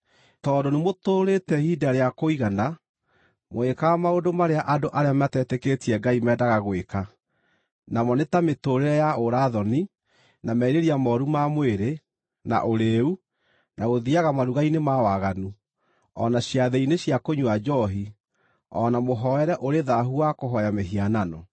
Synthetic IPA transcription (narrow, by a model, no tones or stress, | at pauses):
tɔːdonemotoːɾetɛhidaɾeakoiɣana | moekaamaodomaɾeaʔadoʔaɾeamatɛtɛketiɛɡaimɛːdaɣaɣweka | namɔnetametoɾeɾɛjaoɾaðɔni | namɛiɾeɾiamɔɾumamweɾe | na̰ʔoɾeu | naɣoðiaɣamaɾuɣainemawaɣanu | ɔnaɕjaðeineɕjakoɲwad͡ʒɔɦi | ɔnamoɦɔɛɾɛʔoɾeðaɦuakoɦɔjameɦiananɔ